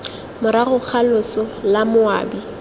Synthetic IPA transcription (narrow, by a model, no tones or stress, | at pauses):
mʊɾaɣʊk͡xʰalʊsɔlamʊa̰ːbi